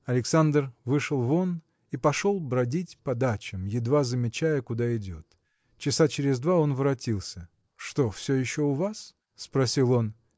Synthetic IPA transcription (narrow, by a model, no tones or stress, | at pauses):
ɐlʲɪksand̪rvɨʂəlˠvo̞n | ipɐʂolˠbɾɐdʲitʲpɐd̪at͡ɕɪmjɪd̪vazəmʲɪt͡ɕæjəkʊd̪aɪdʲo̞t̪ | t͡ɕɪsat͡ɕɪɾʲɪzd̪vao̞nvɾɐtʲilˠsʲə | ʂt̪o̞fsʲɵjɪɕːoʊvas | spɾɐsʲilˠo̞n